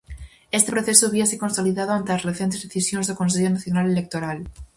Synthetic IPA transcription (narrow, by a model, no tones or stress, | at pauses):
est̪epɾoθesoaβiasekonsoliðaðoant̪elasreθent̪ezðeθisjonzðekonseʎonaθjonalelek̚t̪oɾal